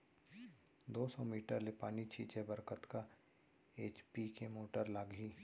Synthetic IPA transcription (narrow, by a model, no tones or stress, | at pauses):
d̪oːsɔmiːʈəɾlepaːnit͡ʃʰit͡ʃɛbəɾkət̪ka | eːt͡ʃpikemoːʈəɾlaːɡiː